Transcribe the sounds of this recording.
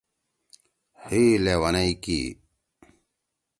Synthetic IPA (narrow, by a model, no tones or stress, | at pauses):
hilewɐnɐikḭ